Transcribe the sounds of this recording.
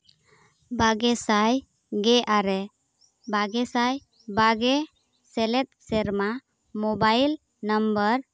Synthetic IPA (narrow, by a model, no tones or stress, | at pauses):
baɡɛsaj | ɡɛʔaɾɛ | baɡɛsaj | baɡɛ | sɛlɛt̪̚sɛɾma | mɔbajl | nəmbəɾ